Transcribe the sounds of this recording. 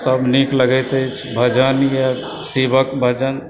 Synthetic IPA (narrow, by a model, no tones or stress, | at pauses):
səbnikləɡɛt̪əjt͡ʃʰbʱəd͡ʒənja | sebəkbʱəd͡ʒən